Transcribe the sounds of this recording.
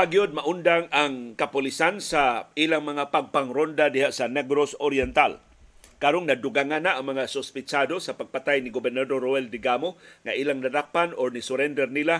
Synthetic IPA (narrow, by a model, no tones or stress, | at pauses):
paɡijod̪̚maʔʊnd̪aŋaŋkapʊlisansailaŋmaŋapaɡ̚paŋɾond̪adɪɦaʔsanɛɡɾosoɾjɛnt̪al | kaɾoŋnad̪ʊɡaŋanaʔaŋmaŋasʊspɪt͡ʃad̪osapaɡ̚pat̪ajniɡobɛrnad̪orːoɛld̪ɪɡamoŋaʔilaŋnadapanoɾnisʊɾɛnd̪ɛrnila